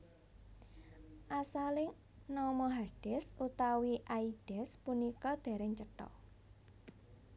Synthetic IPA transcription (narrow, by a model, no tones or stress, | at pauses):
ʔasalɪŋ | nɔmɔɦaɖ̥ɛ̤sut̪awiʔaiɖ̥ɛ̤spunikɔd̪̥e̤ɾɛŋt͡ʃəʈɔ̰